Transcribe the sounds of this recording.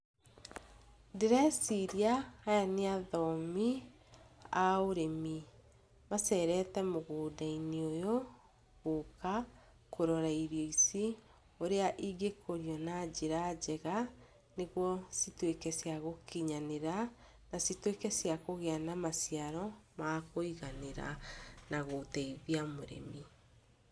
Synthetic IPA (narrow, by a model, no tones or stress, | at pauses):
deɾasiɾiaːjaneaðɔmi | aoɾemi | masɛɾɛtɛmoɣoːdaineojo | ɣoka | kʰoɾɔɾaiɾiɔisi | oɾeaʔiɡekʰoɾiɔnad͡ʑeɾad͡ʑɛɣa | neɣwɔsitwekɛsjaɣokʰiɲaneɾa | nasitwekɛsjakoɣeanamasiaɾɔmakoiɣaneɾa̰naɣotɛiðiamoɾḛmi